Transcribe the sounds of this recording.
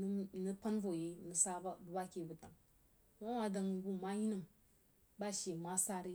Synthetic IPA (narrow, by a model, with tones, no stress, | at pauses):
n˦nə˦pa˦nvo˨je˨nə˨sa˦ba˦bu˨ba˦ke˨bu˨ta˨ŋ | ma˦ma˨da˨ŋi˨bu˦ma˦ji˦nə˨m | ba˦ʃe˨ma˦sa˦ɾi˦